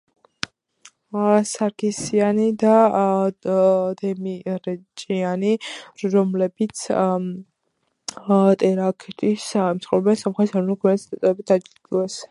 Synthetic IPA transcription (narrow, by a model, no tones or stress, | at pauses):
saɾkʰisianid̪a | d̪ɛmiɾɛt͡ʃʼianiɔmlɛbit̪sʰ | t̪ʼɛɾakʰt̪ʼismsχɛvɾɛbɛnsamχɛt̪ʰsaɾnukʰɛnt̪sd̪at̪ʼɛɾɛbit̪ad͡ʒd̪ɛs